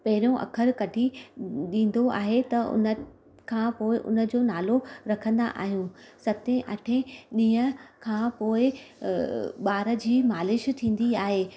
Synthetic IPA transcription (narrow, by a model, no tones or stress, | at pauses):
pɐɦɪɾõʔɐ̰kʰəɾkɐɖʱiɗĩːn̆d̪oa̰ːɦet̪ɐʊ̰nə | kʰãːpoːɪʔʊ̰nə̆d͡ʑoːnaːloɾɐkʰə̃nd̪a̰ʔa̰ːɦijũ | sɐt̪ẽʔɐʈʰẽɗĩːɦəkʰãːpoːɪ | ɓaːɾə̆d͡ʑiːmaːlɪʃt̪ʰĩːn̆d̪iaːɦeː